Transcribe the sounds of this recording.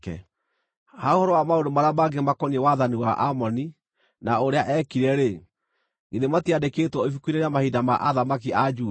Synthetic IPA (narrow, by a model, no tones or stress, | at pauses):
kɛ̰ | haohɔɾɔwamaondomaɾeamaɡemakɔniewaðaniwaʔamɔni | naoɾeaʔɛkiɾɛɾe | ɡeðematiadekeːtwɔifukwineɾeamahidama̰ʔaðamakiad͡ʒuː